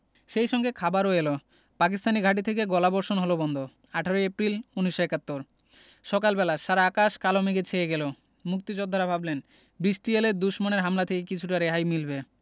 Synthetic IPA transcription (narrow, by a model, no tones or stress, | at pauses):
ʃejʃɔŋɡekʰabaɾoelo | pak̬ist̪aniɡʱaʈ̬it̪ʰekeɡɔlabɔɾʃonɦolobɔnd̪ʱo | aʈʰaɾoeepɾiluniʃoekat̪ːoɾ | ʃɔkalbɛlaʃaɾaakaʃkalomeɡet͡ɕʰejeɡelo | muk̚t̪id͡ʑod̪ʱaɾabʱablen | bɾisʈieleɾd̪uʃmoneɾɦamlat̪ʰekekit͡ɕʰuʈaɾeɦajmilbe